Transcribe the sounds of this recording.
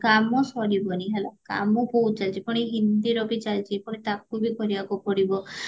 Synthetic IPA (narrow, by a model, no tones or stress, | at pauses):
kamɔsɔɽibɔniɦelaka̰mɔpowt͡ʃalt͡ʃipɔɽ̃iɦind̪iɾɔbit͡ʃalt͡ʃʰipɔɽ̃it̪ak̚ubikɔɾibakupɔɽibɔ